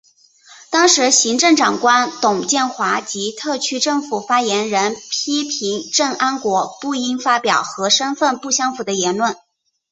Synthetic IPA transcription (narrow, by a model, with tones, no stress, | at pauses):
t̪ɑ˥ŋʂɻ̩˧˥ɕi˧˥ŋʈ͡ʂɤ˥˩ŋʈ͡ʂɑ˨˩ŋkwa˥nt̪ʊ˨˩ŋt͡ɕjɛ˥˩nxwa˧˥t͡ɕi˧˥t̪ʰɤ˥˩t͡ɕʰy˥ʈ͡ʂɤ˥˩ŋfu˨˩fa˥jɛ˧˥nɻə˧˥npʰi˥pʰi˧˥ŋʈ͡ʂɤ˥˩ŋa˥nkwɔ˧˥pu˥˩i˥ŋfa˥pjɑ˨˩ʊxɤ˧˥ʂə˥nfə˥˧npu˥˩ɕjɑ˥ŋfu˨˩d̪ə˦jɛ˧˥nlwə˥˩n